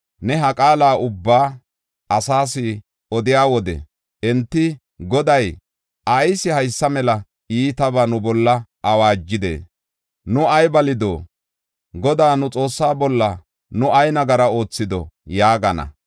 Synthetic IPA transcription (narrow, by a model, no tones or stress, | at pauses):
nɛɦɐkʼaːlaːʔʊbːaː | ʔɐsaːsɪ | ɔd̪ɪjaːwɔd̪ɛ̰ | ʔɛnt̪ːɪ | ɡɔd̪ɐj | ʔɐjsɪhɐjsːɐmɛlɐ | iːt̪ɐbanʊbɔlːɐʔɐwaːd͡ʒːɪd̪ḛː | nʊɐjbɐlɪd̪o̰ː | ɡɔd̪aːnʊt͡sʼo̞ːsːaːbɔlːɐ | nʊɐjnɐɡɐɾɐo̞ːt͡sːɪd̪ɔ̰jaːɡɐnɐ̰